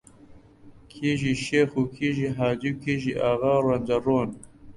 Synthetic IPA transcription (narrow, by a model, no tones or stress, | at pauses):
kʰeːʒiʃeːxukʰiːʒiɦaːd͡ʑiwkʰeːʒiʔaːɣaːrwɐnd͡ʑɐroːn